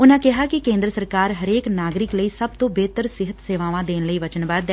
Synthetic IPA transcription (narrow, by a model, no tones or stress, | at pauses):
ʊnãːkɪɦaːkɪkẽːnd̪ɾəsəɾkaːɾɦəɾeːknaːɡɾɪkləiːsəb̚t̪õːbeːt̪əɾsɪɦət̪seːʋaːʋãːd̪eːnləiːʋət͡ʃənbaːd̪ɛ